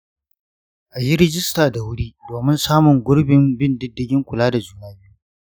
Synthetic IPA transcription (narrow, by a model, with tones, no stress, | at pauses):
ʔa˨ji˦ɾɪ˦d͡ʒɪ˦staː˨da˨wʊ˦ɽiː˦doː˨mɪ˦nsaː˦mʊ˨ŋɡʷʊ˦ɽbɪ˨mbɪ˦ndɪ˦dːɪ˦ɡʲɪ˦ŋkʷʊ˨laː˦da˨d͡ʒuː˦naː˦bi˦ju˦